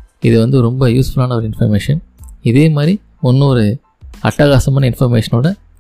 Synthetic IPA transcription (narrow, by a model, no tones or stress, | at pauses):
ɪðɯʋɐnd̪ɯɾɔmbɐjuːsfʊɭaːnɐɔɾɯɪnfɐɾmeːʂɐnɪðeːmaːɾi | ɔnːɯɔɾɯ | ɐʈːaːɣaːsɐmaːnɐɪnfɐɾmeːʂɐnoːɽɐ